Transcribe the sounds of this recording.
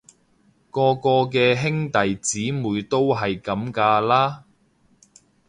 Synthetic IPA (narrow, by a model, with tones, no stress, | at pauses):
kɔː˧kɔː˧k̬ɛː˧ɦɪ˥ŋt̪ɐ˨jt͡siː˨˥muː˨˧jt̪o˥wɦɐ˨jkɐ˨˥mkaː˧laː˥